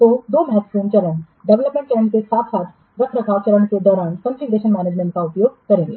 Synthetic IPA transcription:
t̪oːd̪oːmɛɦɛt̪fɾiːnt͡ʃɐlən | ɖɛʋləpmẽɳʈɛ̃ːɳʈkesaːt̪ʰsaːt̪ʰ | d̪ɐkʰɾɐkʰaːʋt͡ʃɐlənked̪ɔːɾaːnkə̃nsiɡɾeːʃənmɛːneːd͡ʒmẽɳʈ̚kaʊpjoːɡ̚kɐɾẽːŋɡeː

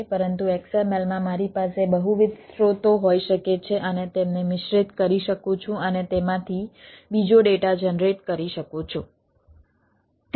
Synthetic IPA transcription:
pəɾənt̪uɛksəmelmãmaɾipasebəɦuʋɪd̪sɾot̪oɦoiʃəket͡ʃʰeʔənet̪emnemɪʃɾɪt̪kəɾiʃəkũt͡ʃʰũənet̪emãt̪ʰibid͡ʒoɖeʈad͡ʒənɾeʈkəɾiʃəkõt͡ʃʰo | t̪

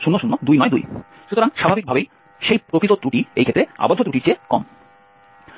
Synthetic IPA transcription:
ʃunːoʃunːod̪ujnɔed̪ṵj | ʃut̪oɾaŋʃabʱabik̚bʱabej | ʃejpɾopit̪ot̪ɾuʈiḛjkʰet̪ɾea̰bod̪ʱːot̪ɾuʈit͡ɕekɔ̰m

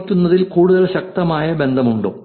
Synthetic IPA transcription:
kʲːunːɐðilkuːɽuðɐlɕɐk̚t̪ɐmaːjɐbe̞nd̪ʱɐmuɳɖo̰ː

